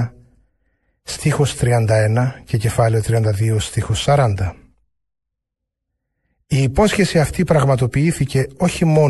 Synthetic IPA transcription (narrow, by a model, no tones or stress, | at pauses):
st̪ixost̪ɾiɐnd̪ɐe̞nɐce̞ce̞fɐleo̞t̪ɾiɐnd̪ɐðiost̪ixosːɐɾɐnd̪ɐ | iːpo̞sçe̞siɐft̪ipɾɐɣmɐt̪o̞piiθice̞o̞çimo̞